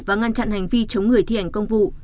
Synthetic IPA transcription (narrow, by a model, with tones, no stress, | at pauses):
vaː˨˩ŋa˧nt͡ɕa̰˧˨nha˨˩jŋ̟vi˧t͡ɕə˨˦wŋ͡mŋɨ˨˩əjt̪ʰḭ˧ʔa˨˩jŋ̟kə˧wŋ͡mvṵ˧˨